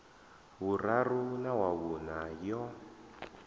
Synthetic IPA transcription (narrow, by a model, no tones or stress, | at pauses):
βurarunawaβunajɔ